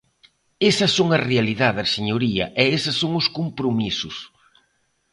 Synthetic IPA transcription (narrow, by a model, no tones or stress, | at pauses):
esɐsːoŋɐrealiðaðɐseɲoɾiɐ̰ʔɛesɐsːoŋʊskompɾomisʊs